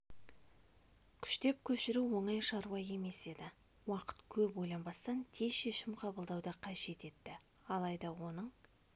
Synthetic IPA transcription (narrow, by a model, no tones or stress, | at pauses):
kʲʰʏ̥ʃt̪e̞p̚kʲʰɵʃɪɾuwo̞ɴɑjʃɑɾwɑje̞me̞se̞d̪ɪ | wɑqə̥t̪kʲʰɵpojlˠɑnbɑst̪ɑnt̪ʰe̞ʃe̞ʃɪmqʰɑbəlˠd̪ɑwd̪ɑqʰɑʒe̞t̪e̞t̪ːɪ | ɑlˠɑjd̪ɑwo̞nəɴ